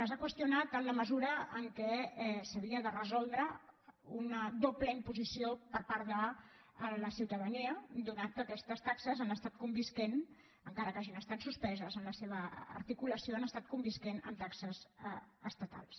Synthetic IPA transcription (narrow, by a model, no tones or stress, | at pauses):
əzakwəst̪iunat̪ənləməzuɾəːŋkɛɛsəβ̞iəðərəzɔlˠd̪ɾəunəðopləimpuzisiopəɾpaɾðəː | ləsiwt̪əðəniəd̪unat̪̚kəkɛst̪əst̪aksəzanəst̪at̪̚kumbisken | əŋkaɾəkaʒiunəst̪at̪suspɛzəzənləseβ̞əə̰ɾt̪ikuləsioanəst̪at̪̚kumbiskenə̰mt̪aksəzəst̪ət̪a̰lˠs